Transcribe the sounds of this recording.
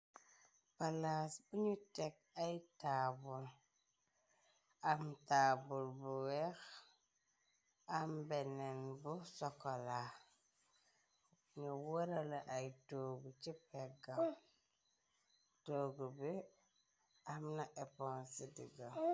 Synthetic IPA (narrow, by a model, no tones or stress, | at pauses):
palasbuɲutɛk̚ | ajtaːbul | ʔamtaːbulbuwɛx | ʔambɛnɛnbusɔkɔla | ɲuwoɾalaʔajtoɡut͡ʃipɛɡa | toːɡubi | amnaʔɛpɔnsidḭɡa